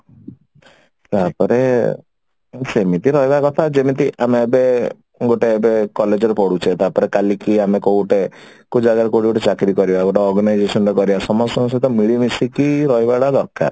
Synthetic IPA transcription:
t̪apɔɾe | semit̪iɾɔɦjbakɔt̪ʰad͡ʒemit̪iʔameːbe | ɡoʈeːbekɔled͡ʒɔɾpɔɽut͡ʃʰet̪apɔɾekalikiamekooʈe | kud͡ʒaɡaɾekoɽiɡoʈet͡ʃakɾikɔɾibaɡoʈeɔɾɡɔnajd͡ʒesɔnɾekɔɾibasɔmɔst̪ɔmsɔt̪ɔmiɽimisikiɾɔɦjbaɽad̪ɔɾka̰ɾ

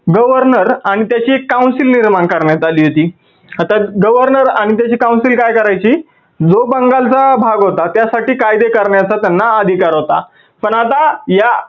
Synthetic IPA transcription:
ɡəʋəɾnəɾaɽ̃it̪jat͡ɕiːekːaũnsilniɾmaɳkəɾɳjat̪aliːɦot̪iː | at̪aɡəʋəɾnəɾaɽ̃it̪̬jat͡ɕiːkaw̃nsilkajkəɾajt͡ɕiː | d͡zobəŋɡalt͡sabʱaɡɦot̪at̪jasaʈiːkajd̪ekəɾɳjat͡sat̪janːaəd̪ʱikaɾɦot̪a | pəɳat̪aja

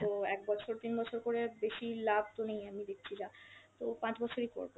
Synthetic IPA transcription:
t̪oɛk̚bɔt͡ɕʰoɾt̪inbɔt͡ɕʰoɾkoɾebeʃilab̚ʱt̪onejamid̪ek̚ʰt͡ɕʰid͡ʑat̪opãt͡ɕbɔt͡ɕʰoɾiko̰ɾbo

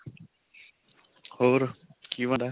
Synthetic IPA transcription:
hoɾkiʋãd̪a

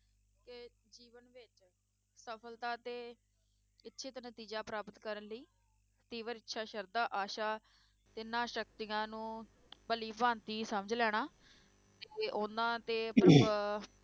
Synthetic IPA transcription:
kɪ | d͡ʒiːʋənʋɪt͡ʃ | səpʰəlt̪aːt̪eː | ɪtːʃʰeːt̪ːnət̪iːd͡ʒaːpɾaːpət̪kəɾənləiː | t̪iːʋəɾɪtːʃʰaːʃəɾd̪aːʔaːʃaː | t̪ɪnãːʃək̚t̪ɪãːnũː | bəliːpãːnt̪iːsəməd͡ʒlɛːɽ̃aː | t̪eːoːnd̪ãːt̪eːəpɾə

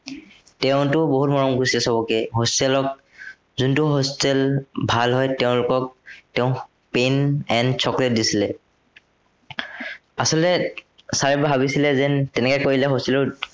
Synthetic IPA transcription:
tɛʊ̃tʊboɦutmɔɹɔmɡusilɛsɔbɔkɛɦostɛlɔk̚ | zuntʊɦostɛlbʱalɦɔjtɛʊ̃lʊkɔk̚tɛʊ̃ | penɛnsʰɔklɛt̚disilɛ | asɔlɛsaɹɛbaɦabisilɛzɛntɛnɛkɔjkoɹilɛɦostɛlɔɹ

